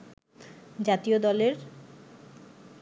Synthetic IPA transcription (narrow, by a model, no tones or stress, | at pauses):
d͡ʑat̪iod̪ɔleɾ